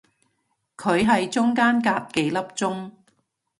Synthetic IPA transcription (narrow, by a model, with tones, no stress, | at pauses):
kʰɵ˨˧ɥɦɐ˨jt͡sʊ˥ŋkaː˥nkaː˧p̚ke˨˥jlɐ˥p̚t͡sʊ˥ŋ